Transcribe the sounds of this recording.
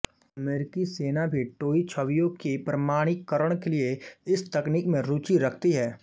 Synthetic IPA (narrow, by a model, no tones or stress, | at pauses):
ɐmeːɾɪkiseːnabʱiʈoːit͡ʃʰəʋijõkepɾɐmaːɽ̃ɪkːəɾəɽ̃kelieɪst̪ɐkniːkmẽɾuːt͡ʃiɾɐkʰt̪iɦɛː